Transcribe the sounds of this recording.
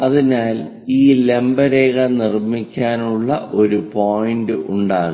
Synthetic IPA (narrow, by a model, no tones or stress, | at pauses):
ɐðinaːl | iːle̞mbɐɾeːɣɐnirmikʲːaːnuɭːɐʔo̞ɾupo̞ːjindɨʔuɳɖaːɣu